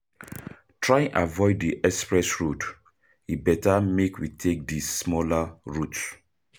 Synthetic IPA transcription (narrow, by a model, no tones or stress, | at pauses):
tʰɹajɛ̃nʔavɔɪdiʔɛkspɹɛsɹod | ibɛtamekwitʰek̚dismɔlaɹut